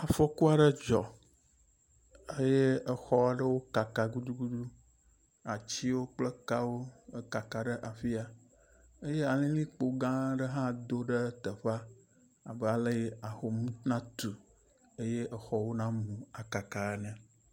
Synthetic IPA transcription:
a˨fɔ˦ku˦a˨ɖə˦d͡ʒɔ˨ | e˦je˦ə˨xɔ˦a˨ɖə˦wo˦ka˨ka˨ɡu˦ɖu˦ɡu˦ɖu˦ | a˨t͡ɕi˦wo˦k͡plə˦ka˦wo˦ka˨ka˨ɖə˦ʔa˨fi˦a˨ | e˦je˦a˨lĩ˦lĩ˦k͡po˨ɡã˦ɖə˦ɦã˦d̪o˦ɖə˦t̪ə˨ɸa˦ | a˨bə˦a˨lə˦je˦a˨xo˨mũ˦nã˦t̪u˨ | e˦je˦ʔə˦xɔ˨wo˦nã˦mũ˨a˨ka˨ka˨ɛ˦nə̃˨

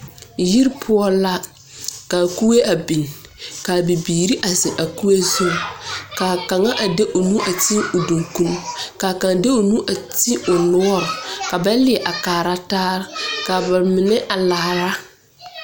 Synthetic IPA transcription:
ji˦ɾpʰʊ˦ɔ˦la˦ | ka˨ku˦e˦ʔa˨bi˨n˨ka˨bi˨biː˨ɾi˦ʔa˨zɪ˨ʔa˨ku˦e˦zo˦˨ka˨ka˨ŋa˦ʔa˨de˦ʔo˨nu˦ʔa˨ti˦o˨do˨ŋku˦n˦ka˨ka˨ndɪ˦o˨nu˦ʔa˨ti˦o˨lʊ˦ɔ˦ɾʊ˨ka˨ba˦lɪ˨ɛ˨ʔa˨kaː˨ɾa˦taː˦ɾɪ˦ka˨ba˨mɪ˨nɪ˦ʔa˨laː˨ɾa˦

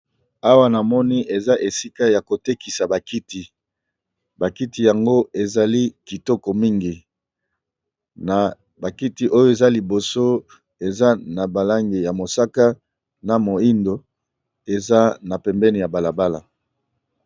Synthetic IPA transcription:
a˦wa˦na˨mɔ˦ni˦ʔe˨za˦ʔe˨si˦ka˦ja˨ko˨te˦ki˨sa˨ba˨ki˦ti˨ | ba˨ki˦ti˨ja˨ŋɡo˦e˨za˨li˦ki˨tɔ˦kɔ˨mi˦ŋɡi˨ | na˨ | ba˨ki˦ti˨˦ʔo˦jo˦e˨za˦li˨bo˨so˦ | e˨za˦na˨ba˨la˦ŋɡe˨ja˨mo˨sa˦ka˦ | na˨mo˨i˦ndo˨ | e˨za˦na˨pɛ˨mbɛ˦ni˨ja˨ba˨la˨ba˦la˨

